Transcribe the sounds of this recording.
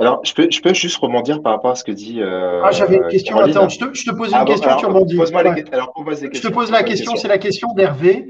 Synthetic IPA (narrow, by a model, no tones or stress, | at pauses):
alɔʁʒ̥ə̥pøʒəpøʒyst̪ʁəbɔ̃d̪iʁpaʁapɔʁasə̥kəd̪iøaʒavɛynkʲɛst̪j̃at̪ɛ̃ʒə̥t̪əʒət̪əpozynkʲɛst̪jɔ̃yʁmɑ̃d̪ialɔʁpozlekə̥t̪əpozlakʲɛst̪jɔ̃sɛlakʲɛst̪jɔ̃d̪ɛʁve